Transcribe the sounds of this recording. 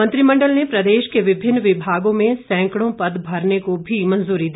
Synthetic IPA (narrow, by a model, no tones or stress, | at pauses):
mɐ̃nt̪ɾimɐ̃ɳɖəlnepɾɐd̪eːʃkeʋɪbʱɪnːʋɪbʱaːɡõmẽsɛ̃ːŋkɽ̃õpɐd̪bʱɐɾnekobʱimɐ̃nzuːɾid̪i